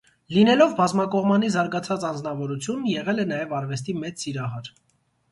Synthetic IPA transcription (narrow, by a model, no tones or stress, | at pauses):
linɛlɔvbɑzmɑkɔʁmɑnizɑɾɡɑt͡sʰɑt͡sɑnd͡znɑvɔɾut͡sʰjunjɛʁɛlɛnɑjɛvɑɾvɛst̪imɛt͡sːiɾɑɦɑɾ